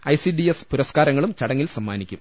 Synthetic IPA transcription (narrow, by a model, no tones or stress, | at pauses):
ɐjsiɖiespuɾɐskaːɾɐŋːɐɭumt͡ɕɐɽɐŋːilsɐmːaːnikʲːum